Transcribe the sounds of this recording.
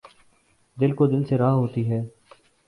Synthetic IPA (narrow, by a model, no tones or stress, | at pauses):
d̪ɪlkod̪ɪlseɾaːɦoːt̪iːɦɛː